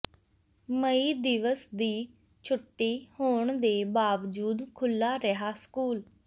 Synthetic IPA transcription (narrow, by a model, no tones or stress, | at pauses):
məiːd̪ɪʋəsd̪iː | t͡ʃʰʊʈːiːhoːɳd̪eːbaːʋd͡ʒuːd̪kʰʊlːaːɾəɦaːskuːl